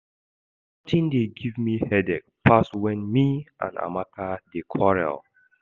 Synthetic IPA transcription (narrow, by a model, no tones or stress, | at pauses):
tʰĩndeɡivmihɛdɛk̚pastwɛ̃nmiʔã̰na̰makʰadekʰɔɹɛ̰l